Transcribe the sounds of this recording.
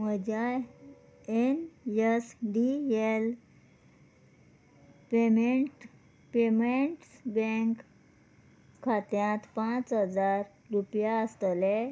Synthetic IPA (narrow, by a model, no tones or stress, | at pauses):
məd͡ʑja | enjəsɖiel | pemeʈ | pemeɳʈsbeŋk | kʰːat̪jãt̪pãt͡sɦəd͡zaɾːupjaəst̪le